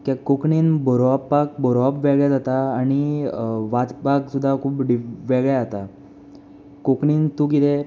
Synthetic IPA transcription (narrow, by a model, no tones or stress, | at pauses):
kjakːokɳiːnbəɾoapːak̚bəɾoapʋeɡɭjad͡zat̪aːɽ̃iʋat̪paksud̪ʱːakʰuːpɖiʋeɡɭjaat̪a | kokɳiːnt̪ukit̪e